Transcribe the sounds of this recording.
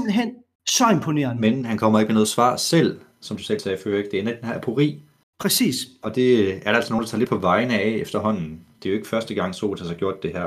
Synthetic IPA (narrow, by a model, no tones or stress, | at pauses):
ml̩ɦen̰ | sɒempʰone̝ɐnmenhænkʰɒ̽m̰ɐeɡ̥əmenɔðˠsʋɑ̰̈ːsel̰ | sɒ̽md̥usel̰sɛːføːɐeɡ̥̚d̥e̝æɐned̥enhæɐæpʰoʁḭː | pʰʁɛsḭːsɒ̽d̥e̝æɐd̥ɑælsɒnoːnd̥ɑt͡sʰɑ̈le̝̥pʰɒ̽ʋɑ̈ɪnəɛefd̥ɐɦɒ̽n̰n̩d̥e̝joe̝ɡ̥ə̥fɶɐsd̥əɡ̥ɑ̈ŋ̰so̝̰ːd̥hæsɑ̈ɡ̥jo̝ɐ̰d̥e̝ɦæɐ̰